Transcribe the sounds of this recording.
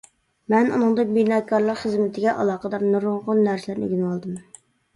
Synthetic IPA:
mɛnṵnɨŋd̪ɨk̚ʲbinɑkʰːɑɾlˠɑɾχəzmɪt̪ʰɪɡʲɛʔɑ̰lˠɑːqəd̪ɑɾnɨɾʊŋʁʊnːæɾslæɾnɪ̰ɡʲynwɑlˠd̪ɨm

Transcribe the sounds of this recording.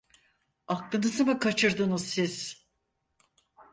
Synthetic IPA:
aklˠɯnɯzɯmɯkʰat͡ʃʰɯɾd̪ɯnuz̥siz̥

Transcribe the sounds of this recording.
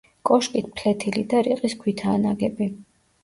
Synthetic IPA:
kʼɔʃkʼit̪̚ʰpʰlɛt̪ʰilid̪aɾiqʼiskʰwit̪ʰaːnaɡɛbi

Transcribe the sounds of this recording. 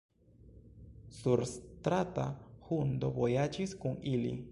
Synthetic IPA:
suɾst̪ɾat̪ahund̪obojat͡ʃiskuŋilḭ

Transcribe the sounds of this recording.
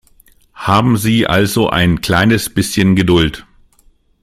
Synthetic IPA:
haːbm̩ziːʔa̰lzoʔa̰ɪnkl̥aɪnəsb̥ɪsçənɡədʊlt

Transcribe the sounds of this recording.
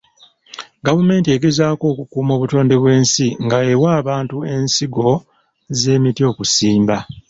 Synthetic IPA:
ɡavume̞ːntie̞ɡe̞zaːko̞ːkukuːmo̞ːβuto̞ːnde̞βwe̞ːnsiŋɡaewaːβaːntue̞nsiɡo̞ | ze̞ːmitio̞ːkusiːmba

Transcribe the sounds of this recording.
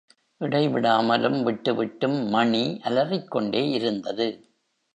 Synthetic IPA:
ʔɪɽɐɪʋɪɽaːmɐlɯmʋɪʈːɯʋɪʈːɯmːɐɳiʔɐlɐrɪkːɔɳɖeːʔɪɾɯnd̪ɐðɯ

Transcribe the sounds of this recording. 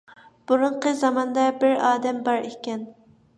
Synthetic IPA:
b̥uɾuɴqəzɑmɑnd̪ɑbɪɾɑːd̪ɛmbɑɾekʲɛn

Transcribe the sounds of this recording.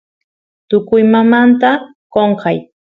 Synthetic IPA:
t̪ʊkʊjmamant̪a | koɴqɑj

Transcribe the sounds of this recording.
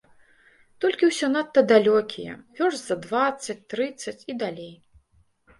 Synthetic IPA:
t̪ɔlʲkʲiwsʲɔnat̪ːɐd̪alʲɔkʲijɛ̰vʲɔʐʲzɐd̪vat̪sːɐt͡sʲt̪ɾɨt̪sːɐt͡sʲid̪alʲej

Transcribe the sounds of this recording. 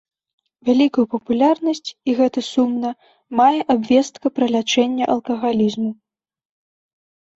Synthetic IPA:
vʲalʲikujupɐpulʲarnɐsʲt͡sʲiɣɛt̪ɐsumnɐ | majɛʔabvʲɛst̪kɐpɾɐlʲat͡ʂɛnʲːɐʔɐlˠkɐɣalʲizmu

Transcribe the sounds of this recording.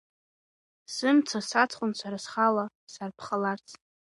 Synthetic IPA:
sɨmt͡sʰasat͡sʰχʷʼʊnt͡ʃʷʰaɾasχala | sarpʰχalart͡sʰʼ

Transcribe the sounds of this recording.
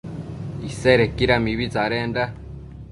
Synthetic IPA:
iseɾekiɾamiβizaɾeːnda

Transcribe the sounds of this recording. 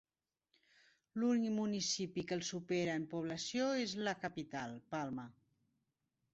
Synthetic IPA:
lunikmunisipikəlˠsupeɾəəmpuβ̞ləsjoezləkəpit̪alˠpalˠmə

